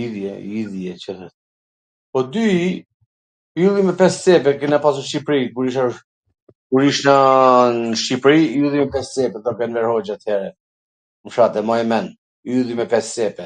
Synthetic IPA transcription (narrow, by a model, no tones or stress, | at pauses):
iðjɛiðjɛt͡ʃəθɛt̪ | pɔd̪yi | ylˠimɛpɛst͡sɛpɛkɛnapas̬uʃt͡ʃipɾikuɾiʃa | kuɾiʃnənʃipɾiulˠimɛpɛst͡sɛpɛt̪ɔkɛnvɛɾhɔd͡ʒat̪hɛɾɛ | mʃat̪ɛmɔɛmɛn | yðˠimɛpɛst͡sɛpɛ